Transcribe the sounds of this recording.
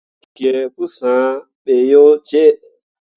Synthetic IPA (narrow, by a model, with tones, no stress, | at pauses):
ki˨˧e˧ku˦sã˨˦ | ɓe˨jo˦t͡ʃe˦˨